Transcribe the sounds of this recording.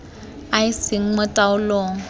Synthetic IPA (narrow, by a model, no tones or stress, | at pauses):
aɪsɪŋ̩mɔtʼaʊlɔŋ̩